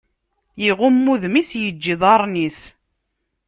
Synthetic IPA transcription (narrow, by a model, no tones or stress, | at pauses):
jiʁʊmːuðmisjəd͡ʒːiðˤɑɾˤnis